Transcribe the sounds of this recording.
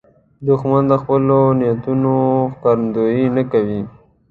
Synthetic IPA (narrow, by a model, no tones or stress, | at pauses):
d̪ʊxmand̪əxpəlonɪjat̪unoxkaɾənd̪ojinakawi